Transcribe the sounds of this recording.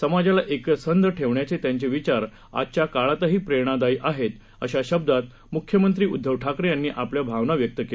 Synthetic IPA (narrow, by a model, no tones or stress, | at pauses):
səmad͡ʑalaʔeksənd̪ʱəʈʰeʋɳjat͡set̪jaɲt͡ɕeʋit͡ɕaɾ | a̰t͡ɕjakaɭat̪əɦiːpɾeɽ̃ad̪aiʔaɦet̪ | əɕaɕəb̚d̪at̪̚ | mukʰjəmənt̪ɾiːud̪ʱːəʋʈʰakɾjanːiːʔapljabʱaʋnaʋjək̚t̪əke